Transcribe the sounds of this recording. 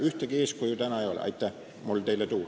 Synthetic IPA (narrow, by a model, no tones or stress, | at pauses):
yht̪ækieskujut̪ænɑjo̰lʲɑ̰it̪ːæ | mulʲt̪eilːæt̪uː